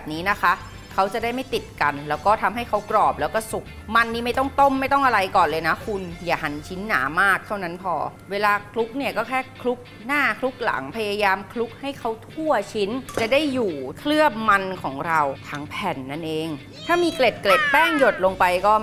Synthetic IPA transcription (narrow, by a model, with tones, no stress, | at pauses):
bɛː˨˩p̚niː˦˥na˦˥kʰa˦˥ʔ | kʰa˦˥wt͡ɕa˨˩daː˥˩jma˥˩jt̪i˨˩t̪̚ka˧nlɛː˦˥wkɔː˥˩t̪ʰa˧mɦa˥˩jkʰa˦˥wkɾɔː˨˩p̚lɛː˦˥wkɔː˥˩su˨˩k̚ma˧nːiː˥˩ma˥˩jt̪ɔ˥˩ŋt̪o˥˩mːa˥˩jt̪ɔ˥˩ŋʔa˧ɾa˧jkɔː˨˩nlɤː˧jna˦˥kʰu˧njaː˨˩ɦa˩˦nt͡ɕʰi˦˥nːa̰ː˩˦maː˥˩k̚t̪ʰa˥˩wna˦˥npʰɔ̰ː˧weː˧laː˧kʰlu˦˥k̚ni˥˩ɐkɔː˥˩kʰɛː˥˩kʰlu˦˥k̚ | naː˥˩kʰlu˦˥k̚la̰˩˦ŋpʰa˧jaː˧jaː˧mkʰlu˦˥k̚ha˥˩jkʰa˦˥wt̪ʰu˥˩ɐt͡ɕʰi˦˥nt͡ɕa˨˩da˥˩jːuː˨˩k̪ʰlɯ˥˩əp̚ma˧nkʰɔː˩˦ŋɾa˧wt̪ʰaː˦˩˥ŋpʰɛ˨˩nːa˥˩nʔeː˧ŋ | t̪ʰaː˥˩miː˧kle˨˩t̪̚kle˨˩t̪̚pɛː˥˩ŋjo˨˩t̪̚lo˧ŋpa˧jkɔː˥˩